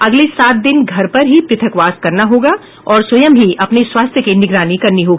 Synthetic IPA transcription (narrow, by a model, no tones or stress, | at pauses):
ɐɡlesaːt̪̚d̪ɪnɡʱɐɾpɐɾɦipɾɪt̪ʰəkʋaːskɐɾnaɦoːɡa | ɔːɾswɐjəmɦiʔɐpneswaːst̪ʰjəkenɪɡɾaːnikɐɾniɦoːɡi